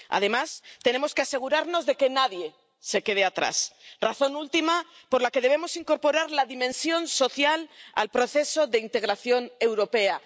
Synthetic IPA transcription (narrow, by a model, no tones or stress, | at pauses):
a̰ðe̞mast̪e̞ne̞mo̞skease̞ɣ̞uɾaɾno̞zðeke̞naðje̞ | se̞ke̞ð̞eat̪ɾa̰sraθo̞nult̪ima | po̞ɾlake̞ð̞ee̞mo̞siŋko̞ɾpo̞ɾaɾlaðimẽnsjo̞nso̞θjala̰lpɾo̞θe̞so̞ðeint̪e̞ɣɾaθjo̞ne̞wɾo̞pe̞a